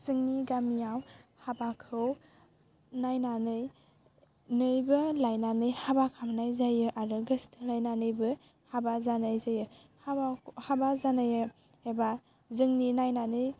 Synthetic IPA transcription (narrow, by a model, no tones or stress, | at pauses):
z̥ɯŋniɡamijawhabakʰɯw | najnanɯj | nɯjbɯlajnanɯjhabakʰamnajzajɯʔaɾɯɡɯstʰɯlajnanɯjbɯ | habazanajzajɯ | habhabazanajɯ | eba | zɯŋninajnanɯj